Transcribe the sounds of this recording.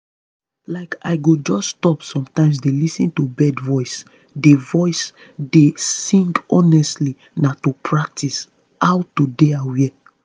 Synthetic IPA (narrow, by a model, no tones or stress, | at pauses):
laɪkaɪɡod͡ʒɔsːtɔpsɔ̃mtãɪ̃ms̬delisĩntubɛdvɔɪs | devɔɪs | desĩŋɡɔnɛstli | natupʰɹak̚tʰis | hawtudeawɛ